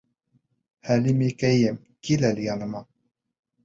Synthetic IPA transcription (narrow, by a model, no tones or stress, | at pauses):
hælimikæjɘm | kilælijɑnɤ̆mɑ